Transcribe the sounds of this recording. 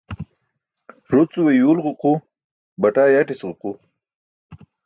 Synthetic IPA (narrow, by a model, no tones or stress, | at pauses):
ɾut͡suwejuːlʁʊqu | bɐʈaːjaʈisʁʊqu